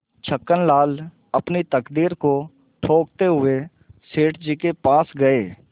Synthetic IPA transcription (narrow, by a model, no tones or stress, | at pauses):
t͡ʃʰəkːənlaːl | əpnit̪əkd̪iːɾko | ʈʰoːk̚t̪eɦʊe | seːʈd͡ʒiːkepaːsɡəeː